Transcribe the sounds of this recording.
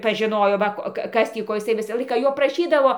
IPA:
pɐˈʒʲɪnoːjoː ˈʋɐ koː ˈkɐ ˈkɐs tʲiː ˈkoː jɪˈsɐɪ ˈʋʲɪsɑː ˈlˠɐɪkɑː ˈjoː prɐˈʃʲiːdɐʋoː

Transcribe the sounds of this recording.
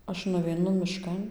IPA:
ˈɐʃ nʊʋʲɛɪˈnʊ mʲɪˈʃkɐn

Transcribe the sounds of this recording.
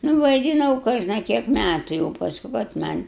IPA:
nʊ ʋɐɪˈdʲɪnɐʊ ˈkoːʒnɐ ˈkʲiɛk ˈmʲætʊ jɛʊ pɐsˈkʊ kɐt ˈmɐnʲ

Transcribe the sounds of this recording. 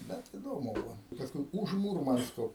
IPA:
ˈbʲɛt ɪˈdoːmʊ ˈbʊʋoː ˈpɑːskʊɪ ʊʃ ˈmuːrmɐnskoː

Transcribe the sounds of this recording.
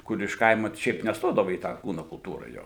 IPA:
ˈkʊr ɪʃ ˈkɐɪmɐ ˈʃʲɛɪp nʲɛsˈtoːdɐʋɐ iː ˈtɑː ˈkuːnʊ kʊlˠˈtuːrɐ ˈjoː

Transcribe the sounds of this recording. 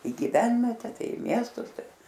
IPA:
ɪ ɡʲɪˈʋʲɛnʲʋʲɛtʲɛ ˈtɐɪ ɪ ˈmʲiɛstʊs ˈtɐɪ

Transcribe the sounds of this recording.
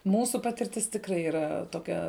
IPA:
ˈmuːsʊ ˈpɑːtʲɪrʲtʲɪs tʲɪkˈrɐɪ iːˈrɐ toːˈkʲɛ

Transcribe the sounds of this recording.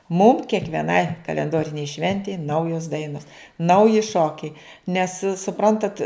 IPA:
mʊm kʲiɛkʋʲiɛˈnɐɪ kɐlʲɛnˈdoːrʲɪnʲɛɪ ˈʃʲʋʲɛnʲtʲɛɪ ˈnɐʊjoːs ˈdɐɪnoːs ˈnɐʊjɪ ˈʃoːkʲɛɪ nʲɛs sʊˈprɐntɐt

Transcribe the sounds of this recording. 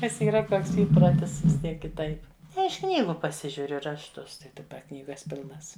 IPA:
nʲɛs iːˈrɐ ˈtoːks ˈiːproːtʲɪs ʋʲɪs ˈtʲiɛk kʲɪˈtɐɪp ɪʃ ˈknʲiːɡʊ pɐˈsʲɪʒʲʊrʲʊ rɐʃˈtʊs tɐɪ dɐˈbɐ ˈknʲiːɡɐs ˈpʲɪlˠnɐs

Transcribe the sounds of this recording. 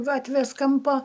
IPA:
ˈɡɑːtʲʋʲeːs ˈkɐmpoː

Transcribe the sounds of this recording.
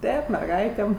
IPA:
ˈtʲeːp mʲɛrˈɡɐɪtʲeːm

